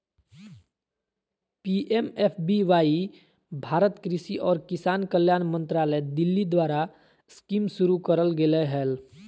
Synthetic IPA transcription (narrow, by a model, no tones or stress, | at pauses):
piʔemepʰbiʋaːi | bʱaːɾət̪kɾɪsiʔɔːɾkɪsaːnkəljaːnmə̃nt̪ɾaːləd̪ɪlːid̪waːɾa | skimsʊɾukəɾəlɡeleɦɛːl